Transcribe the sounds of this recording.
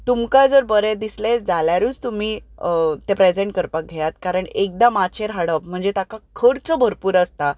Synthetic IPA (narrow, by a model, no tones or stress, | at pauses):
t̪umkad͡zəɾbəɾed̪islẽd͡zaljaɾuːt͡st̪um̤iːt̪epɾed͡zẽɳʈ̚kəɾpak̚ɡʱejat̪kaɾəɳek̚d̪amat͡ɕeɾɦəɽəp̚m̤əɳd͡zet̪akakʰəɾt͡səbʱəɾpuːɾəst̪a